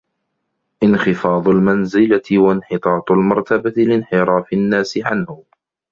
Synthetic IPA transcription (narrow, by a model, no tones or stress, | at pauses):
ʔɪnxɪfɑːðˤʊlmanzɪlawanħɪt̪ˤɑːt̪ˤʊlmɑɾˤt̪abat̪ɪlɪnħɪɾˤɑːfɪnːaːsɪʕanhʊ